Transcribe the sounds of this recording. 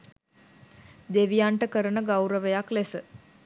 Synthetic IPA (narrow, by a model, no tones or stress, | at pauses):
d̪eʋijaɳʈəkəɾənəɡawɾəʋejaklesə